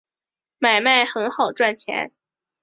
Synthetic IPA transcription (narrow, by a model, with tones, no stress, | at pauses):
ma˨˩ɪma˥˩ɪxɤ˧˥nxɑ˨˩ʊʈ͡ʂwa˥˩nt͡ɕʰjɛ̰˧˥n